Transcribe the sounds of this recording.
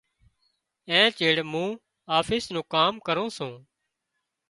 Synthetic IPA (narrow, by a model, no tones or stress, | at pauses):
ɛ̃ːt͡ʃeːɽmũː | aːfʰɪːsnũːkaːmkəɾõːsũː